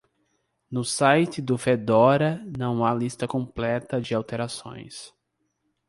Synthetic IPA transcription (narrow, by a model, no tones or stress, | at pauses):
nʊsajt͡ʃɪd̪ʊfed̪ɔɾɐnɐ̃w̃alist̪ɐkõmplɛt̪ɐd͡ʒɪawt̪eɾasõ̰j̃s